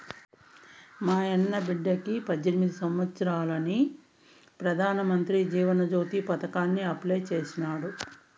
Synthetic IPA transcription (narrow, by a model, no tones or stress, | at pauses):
maːɛnːɐbiɖːɐkipɐd̪ːenimid̪isɐmʋɐt̪sɐɾaːlɐni | pɾɐd̪ʱaːnɐmɐnt̪ɾid͡ʒiːʋɐnɐd͡ʒo̞ːt̪ipɐt̪ɐkaːnːiɐplɐjt͡ʃeːsinaːɽu